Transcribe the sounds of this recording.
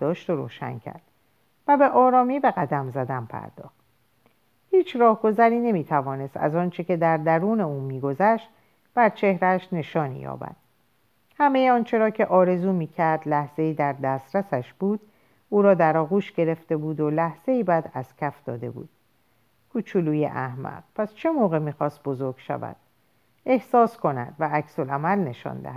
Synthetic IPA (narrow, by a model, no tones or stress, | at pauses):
d̪̥ɒːʃt̪oɾo̰ːʃæ̰ncʰæ̰ɾd̪̥ | væbe̞ʔɒːɾɒːmiːbe̞ɣæd̪æmzæd̪ænpʰæ̰ɾd̪̥ɒ̰ːχt̪̚ | hiːt͡ʃʰɾɒːhɡo̞zæɾiːne̞miːt̪ʰævɒːne̞st̪æ̰zɒːnt͡ʃʰe̞ce̞d̪æɾd̪æɾuːne̞uːmiːɡo̞zæʃt̪ | b̥æɾt͡ʃʰe̞hɾæʃne̞ʃɒːnḭjɒ̰ːbæ̰d̪̥̚ | hæme̞jeɒːnt͡ʃʰe̞ɾɒːcʰe̞ʔɒːɾe̞zuːmiːcʰæɾd̪læhz̥e̞iːd̪æɾd̪æːst̪ɾæsæʃb̥uːd̪ | uːɾɒːd̪æɾɒːɣuːʃɡe̞ɾe̞ft̪e̞buːd̪olæhz̥e̞iːbæd̪æz̥cʲʰæfd̪̥ɒ̰ːd̪e̞̰bṵːd̪̥ | kʰut͡ʃʰuluːjḛʔæhmæ̰ʁ̚pʰæst͡ʃʰe̞moːɣe̞miːxɒːst̪̚bo̞zo̞ɾɡ̥ʃæ̰væ̰d̪̥ | e̞hsɒːskʰo̞næ̰d̪̥vææcso̞læmælne̞ʃɒ̰ːnd̪æ̰hæ̥